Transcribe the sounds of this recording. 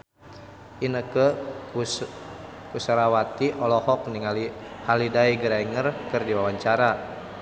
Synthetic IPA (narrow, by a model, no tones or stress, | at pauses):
ʔinəkə | kusaɾawat̪iʔɔlɔhɔk̚niŋalihalidaiɡəɾaiŋərkɨrdiwawaɲt͡ʃaɾa